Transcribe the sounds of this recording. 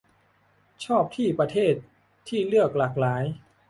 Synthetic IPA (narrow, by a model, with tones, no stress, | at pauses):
t͡ɕʰɔː˥˩p̚t̪ʰiː˥˩pɾa˧t̪ʰeː˥˩t̪̚ʰː | iː˥˩lɯ˥˩ək̚la˨˩k̚laː˩˦j